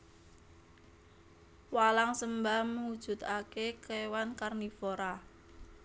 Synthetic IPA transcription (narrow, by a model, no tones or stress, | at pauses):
walaŋsəmbahməŋud̥ʒ̥ṳt̪akekewankarnifoɾa